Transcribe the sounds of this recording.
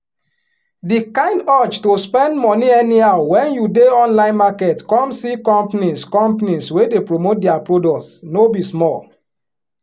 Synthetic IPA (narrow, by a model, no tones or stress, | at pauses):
dikãɪ̃ndɔt͡ʃtospɛ̃ndmɔniɛniaʊwɛ̃njudeɔ̃nlãɪ̃nmaketkɔ̃msikɔ̃mpaniskɔ̃mpaniswedepɾomot̚diapɹodɔktsnobismɔl